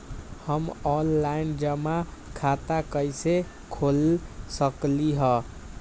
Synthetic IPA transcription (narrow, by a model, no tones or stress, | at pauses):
həmɔnlaind͡ʒəmakʰat̪akəjse | kʰolsəkliɦə